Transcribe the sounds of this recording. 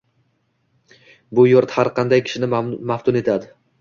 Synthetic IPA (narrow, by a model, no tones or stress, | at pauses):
bʊjoɾt̪haɾqʰɑnd̪ajkʲʰɪ̥ʃɪnɪmaft̪ʰʊne̞t̪ʰad̪ɪ